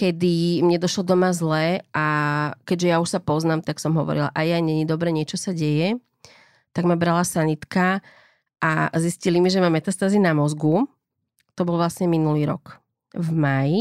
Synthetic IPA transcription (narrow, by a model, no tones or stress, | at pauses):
kɛd̪imɲɛd̪ɔʃlɔd̪ɔmazlɛʔakɛɟʒɛjauʃsapɔznaːmt̪aksɔmɦɔʋɔ̰ɾila̰ʔajajɲɛɲid̪ɔbɾɛːɲɪɛt͡ʃɔsaɟɛjɛ | t̪aɡmabɾalasanit̪ka | ʔa̰ziscilimiʒɛmamɛt̪ast̪aːzinamɔzɡu | t̪ɔbɔlʋlasɲɛminuliːɾɔ̰k | vmaji